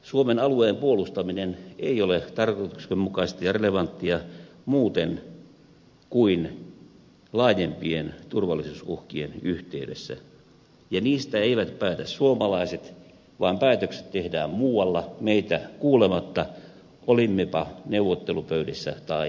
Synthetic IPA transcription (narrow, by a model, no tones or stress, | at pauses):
suomenɑlueːmpuolust̪ɑmineneiolet̪ɑrkoit̪u̥ksemmukɑist̪ɑjɑreleʋɑnt̪ːiɑmuːt̪en | kuin | lɑːjempient̪urʋɑlːˑisuːsuhkienyht̪eydḛsːæ̰ | jɑniːst̪æeiʋæt̪pæːt̪æssuomɑlɑiset̪ | ʋɑːmpæːt̪økse̥t̪t̪ehdæːmmuːwɑlːɑmeit̪ækuːlemɑt̪ːɑ | olimːepɑneuʋːˑot̪ːelupøydesːæ̰t̪ɑi